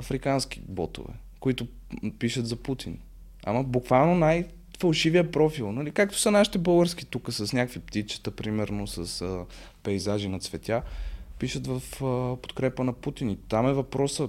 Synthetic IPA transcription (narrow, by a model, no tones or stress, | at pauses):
ɐfɾikansk̟i̥̰bɔ̰t̪ʊ̰vɛ̰ | koit̪ʊ | piʃət̪zɐput̪ḭn | a̰mɐbukvalˠnonaj | fɐlˠʃivijəpɾɔfilˠnɐlikak̚t̪o̥sɐnaʃi̥t̪ɛbɤlˠɡəɾsk̟i̥t̪ukəsɐsnʲakkvipt̪it͡ʃə̥t̪əpɾimɛɾnosɐsə | pɛjzaʒinɐt̪svɛt̪ʲjapiʃət̪vɐfpo̥t̪kɾɛpənɐput̪init̪amɛvɐpɾɔsə